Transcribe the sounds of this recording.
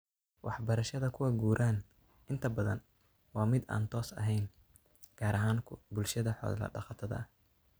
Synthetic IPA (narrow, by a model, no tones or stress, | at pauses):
wʔɑ̰ħbɐɾɐʃɐðɐkʰʊwɐɡuːɾʔaːn | ʔɪnt̪ʰɐbɐðɐ̰n | wɑːmɪd̪a̰ːnt̪ʰɔːsɐ̰ɦɛjn | ɡ̥aːɾɐɦaːŋkʰʊbʊlʃɐðɐħɔ̰ːðlɐ̰ɖɑ̰qɑt̪ʰɐðɐ̰